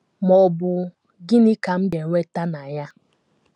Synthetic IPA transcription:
mɔ˨bʊ˨ | ɡɪ˦ni˦ka˨m̩˦de˨ŋʷe˦ta˦na˨ja˦

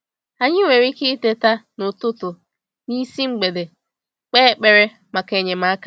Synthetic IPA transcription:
a˨ɲɪ˦ŋʷe˨ɾi˦kɪ˦te˦ta˦nʊ˨tʊ˦tʊ˨ | ni˦si˦ŋ͡m̩˦ɡ͡be˨de˨ | k͡peː˦k͡pe˦ɾe˦ | ma˨ke˨ɲe˨ma˨˦a˦ka˦

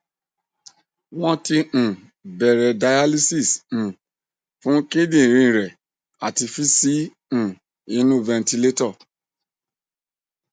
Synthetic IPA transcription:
w̃ɔ̃˦tĩ˧˨ | bɛ˨ɾɛ˨da˨˧ja˦li˦si˦˨s̩˨ | fũ˦ke˦dĩ˦˨ɾ̃ĩ˧˨ɾɛ˨ | a˨ti˧fi˦sĩ˨˦˨ | i˧nũ˦vɛ̃˧nti˧le˦tɔ˦˨

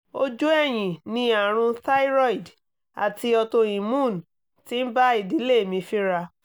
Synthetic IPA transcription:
o˦d͡ʒu˦ɛ˦˨j̃ĩ˨nĩ˧a˨ɾ̃ũ˧ta˦i˦ɾɔ˦i˨d | a̰˨ti˧ɔ˧to˧ĩ˨mũ˦˨n | tĩ˦n̩˦ba˦i˦˨di˨˦le˦˨mĩ˧fi˦ɾa˧

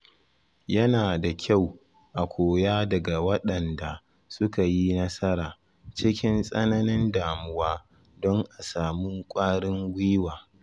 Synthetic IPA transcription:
jɐ˦naː˨da˨kʲʰa˦˨w | ʔa˨kʷʰoː˨jaː˦dɐ˨ɡa˨wɐ˦ɗɐ˨nda˨ | sʊ˦ka˨ji˦nɐ˦sɐ˦ɾaː˨ | t͡ʃɪ˦kʲɪ˦nsʼɐ˦nɐ˦nɪ˦ndaː˨mʊ˦waː˦ | dɔ˦ŋʔa˨saː˨muː˦kʷʼaː˦ɽɪ˦ŋɡʷiː˦waː˨

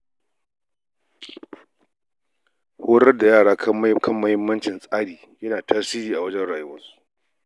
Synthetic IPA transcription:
hoː˦ɾɐ˦rda˨jaː˦˨ɽaː˦kʰɐ˦mːɐ˦hɪ˦mːɐ˦nt͡ʃɪ˨nsʼaː˦ɽiː˨ | jɐ˦naː˨taː˦siː˦ɾiː˨ʔa˨wɐ˦d͡ʒɛ˦nɽaː˨jʊ˦wɐ˦nsu̥˦ʔ

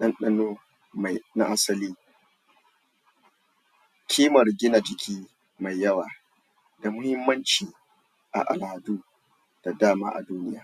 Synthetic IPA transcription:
ɗɐ˦nɗɐ˦noː˦ | ma˨jna˦ʔa˦sɐ˨liː˦ | kʲʰiː˦mɐ˨rɡʲɪ˦na˨d͡ʒɪ˨kʲiː˦ | ma˨jːɐ˦waː˨ | da˨mʊ˦hɪ˦mːɐ˦nt͡ʃiː˨ | ʔa̰˨ʔa̰˨lhɐ˨duː˦ | d̥a˨daː˦˨ma̰ː˦ʔa̰˨duː˦nɪ˦ja̰ː˦

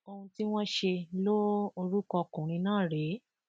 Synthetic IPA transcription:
o˧hũ˧ti˦w̃ɔ̃˦ʃe˧lo˦o˧ɾu˦kɔ˧kũ˨ɾ̃ĩ˧nãː˦˨ɾe˨˦

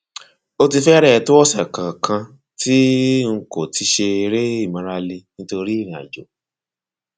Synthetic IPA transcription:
o˦ti˧fɛ˦ɾɛ˦˨to˦ɔ˦˨sɛ˨kã˨kã˧ | tʰi˦ŋ̩˦ko˨tʰi˧˦ʃe˧i˧ɾe˦i˦˨mã˨˦ɾa˧li˧nĩ˦to˧ɾi˦i˦˨ɾĩ˨a̰˨d͡ʒo˨

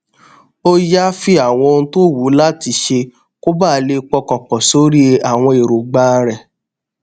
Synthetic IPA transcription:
o˦ja˦fi˦a˦˨w̃ɔ̃˧o˧ũ˧˦to˦˨wu˨˦la˦ti˧ʃe˧ | ko˦ba˦˨˦le˧k͡pɔ˧kɔ˨k͡pɔ˨so˨˦ɾi˦e˧a˨w̃ɔ̃˧i˨ɾo˨ɡ͡ba˦ɾɛ˨

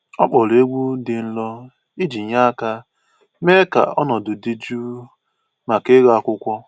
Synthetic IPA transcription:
ɔ˦k͡pɔ˨le˦ɡʷu˦dɪ˨n̩˦lɔ˦ | i˦d͡ʒi˨ɲa˦ka˦ | me˦ka̰˨ɔ̰˦nɔ˨dʊ˨di˦d͡ʒu˦ | ma˨ke˦ɣa˨kʷʊ˦kʷɔ˦

